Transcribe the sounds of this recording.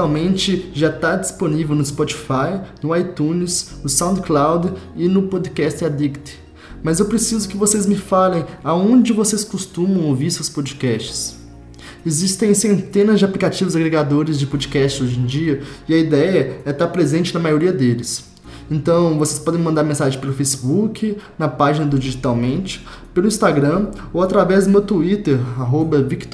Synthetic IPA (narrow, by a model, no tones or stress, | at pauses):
awmẽnt͡ʃɪʒat̪ad͡ʒisponivewnʊɪspɔt͡ʃi̥fajnʊajt̪ũnɪsʊsãw̪̃t̪klawd̪ɪnʊpod̪kɛst̪ɪad̪ikt̪ɪ̥ | mɐzewpɾesizʊkɪvosezmɪfalẽj̃aõnd͡ʒɪvoseskust̪ũmɐ̃w̃owviɾsewspod͡ʒikɛst͡ʃɪ̥s | ezist̪ẽj̃sẽnt̪ẽnɐzd͡ʒɪaplikat͡ʃivʊzaɡɾeɡad̪oɾɪzd͡ʒɪpod͡ʒikɛst͡ʃɪzoʒẽj̃d͡ʒiɐɪɐid̪ɛjɐɛt̪aɾpɾezẽnt͡ʃɪnɐmajoɾiɐd̪elɪs | ẽnt̪ɐ̃w̃vose̥spɔd̪ẽj̃mɐ̃nd̪aɾmẽsaʒẽj̃pelʊfejsi̥bukʰɪnɐpaʒinɐd̪ʊd͡ʒiʒit̪awmẽnt͡ʃɪ̥ | pelʊĩst̪aɡɾɐ̃owat̪ɾavɛzd̪ʊmewt̪uit̪eɾaɦobɐvikt̪